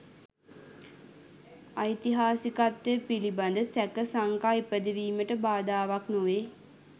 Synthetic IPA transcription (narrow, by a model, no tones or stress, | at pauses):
ajt̪iɦaːsikat̪ːəpiliband̪əsækəsaŋkaipəd̪eʋiːməʈəbaːd̪aːʋaknoʋe